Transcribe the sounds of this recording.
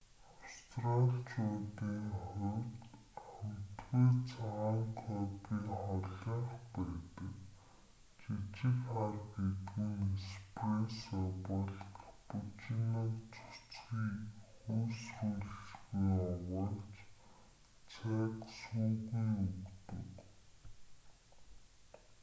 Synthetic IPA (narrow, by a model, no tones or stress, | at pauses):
awst̪ʰraɮt͡ɕʰʊːt̪iːŋχʊwt̪ | χam̥t̪ɡuːt͡sʰaŋkʰɔpiːχɔɮɞ̆ɴχpæːt̪ə̆k | t͡ɕit͡ɕɪ̆kχarɡet̪ɡɘ̆nspresɔpɔɮput͡ɕɪ̆nɔːkt͡sʰʊ̥t͡sɡiːxuːsruːɮɘ̆t͡ɕɣujɔwə̆ɮt͡ɕ | t͡sʰæːksuːɣujukt̪ɵ̰̆k